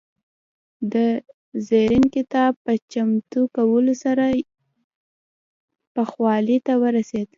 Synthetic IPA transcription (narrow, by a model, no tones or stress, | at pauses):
d̪ə | zeɾɪnkɪt̪ɑb̚pət͡ʃamt̪ukawəlosaɾa | pəxwɑlit̪awəɾased̪